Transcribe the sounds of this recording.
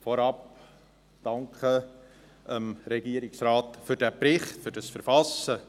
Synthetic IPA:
foɾɑp | d̥ɑŋkχə | ʔəmɾɛɡiəɾɪksraːtfʏɾdæpɾɪχtfʏɾdɑsfəɾfɑsə

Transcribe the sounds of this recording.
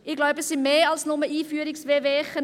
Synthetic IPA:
ɪɡ̥laʊbəsimeːɑlsnʊməiːfyːɾɪksveːveːχə

